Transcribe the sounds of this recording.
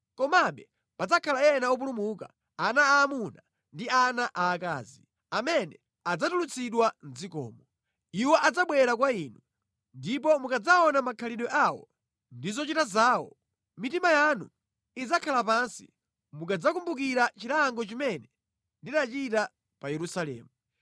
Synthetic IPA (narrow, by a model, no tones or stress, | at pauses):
kɔmaɓɛ | pad͡zakʰalaɛnaɔp̬ulumuka̰ | anaːmuna | ndianaʔaːka̰ːzi | amɛnɛ | ad͡zatulut͡sʰiɗwan̩zikɔ̰ːmɔ | iwɔʔad͡zaɓwɛɾak̬waiːnu | ndip̬ɔmukad͡zaɔnamakʰaliɗɔʔawɔ̰ | ndizɔt͡ʃitazaːwɔ̰ | mitimajanṵ | id͡zakʰalapansḭ | mukad͡zak̬umbuk̬iɾat͡ʃilaŋɡɔt͡ʃimɛnɛ | ndinat͡ʃita | pajɛɾusalɛ̰ːmu